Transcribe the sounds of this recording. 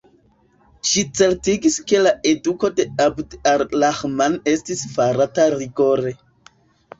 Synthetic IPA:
ʃit͡se̞ɾtiɡiske̞lae̞duko̞de̞abdaɾlaxmane̞stisfaɾataɾiɡo̞ɾe̞

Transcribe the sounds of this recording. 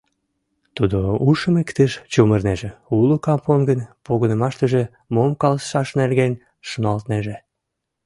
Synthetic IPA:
t̪ud̪ouʃəmekt̪eʃt͡ɕumərneʒeulokɑponɡənpoɣənəmɑʃt̪əʒe | momkɑlsʃɑʃnerɣen | ʃonɑlt̪neʒe

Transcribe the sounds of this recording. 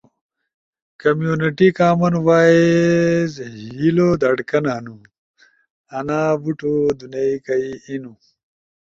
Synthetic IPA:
kɐmjuːniʈikaːmɐnwaːezɦilod̪ɐɽkɐnanu | ɐnaːbuʈod̪unɐikɐiinu

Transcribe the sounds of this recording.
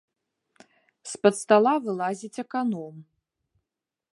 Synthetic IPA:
spɐt̪st̪alˠavɨlˠazʲit͡sʲɛkanɔm

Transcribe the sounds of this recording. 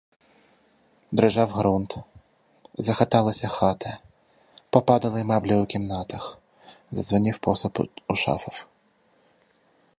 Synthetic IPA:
d̪ɾɪʒɑwɦɾunt̪ | zɐxɐt̪ɑlˠɐsʲɐxɑt̪ɐ | pɔpɑd̪ɐlˠɪmɑblʲɛʊkʲimnɑt̪ɐx | zɐ̰zʋɔnʲiwpɔsʊpuʃɑ̰fɐw

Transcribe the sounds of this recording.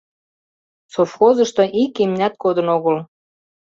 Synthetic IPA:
sofxozəʃt̪o̽ʔikimnʲæt̪̚kod̪ənoɣəl

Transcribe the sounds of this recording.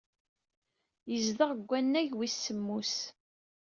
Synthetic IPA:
jəzðəʁəɡʷːænːæʝwisːəmːus

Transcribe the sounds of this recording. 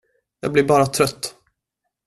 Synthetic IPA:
jɑ̰ːɡ̚blɪɾbɑːɾat̪ʰɾœt̪ː

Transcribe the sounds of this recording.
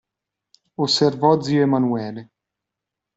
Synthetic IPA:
osːervɔd̪ziːoemanuɛːle

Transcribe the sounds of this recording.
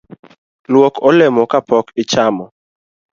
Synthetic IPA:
lwɔkʰɔlɛmɔkapɔkɪt͡ʃamɔ

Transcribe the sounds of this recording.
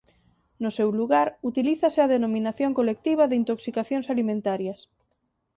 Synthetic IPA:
nʊsewluɣaɾut̪iliθɐsɪaðenomĩnaθjoŋkolek̚t̪iβ̞ɐðeint̪oksikaθjoŋsalimẽnt̪aɾjɐs

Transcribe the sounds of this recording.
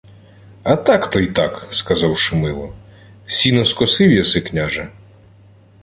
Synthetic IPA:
ɐt̪ɑkt̪ɔjt̪ɑkskɐzɑwʃʊmɪlˠɔ | sʲinɔskɔsɪwjɐsɪknʲaʒɛ

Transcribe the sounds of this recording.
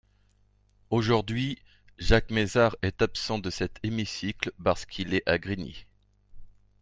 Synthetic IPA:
oʒuʁd̪ɥi | ʒakmezaʁɛt̪apsɑ̃d̪əsɛt̪ʰemisiklpaʁsə̥kʰilɛʔaɡʁinḭ

